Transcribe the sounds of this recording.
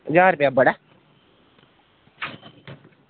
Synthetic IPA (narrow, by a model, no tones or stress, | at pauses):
zaːɾʊpjabəɽa